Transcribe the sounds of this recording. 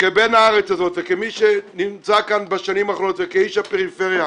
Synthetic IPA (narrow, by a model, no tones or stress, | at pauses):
kebenaaʁɛt͡sazot̪vɛkemiʃenimt͡sakanbaʃanimaχlot̪vekeiʃapeʁifeʁja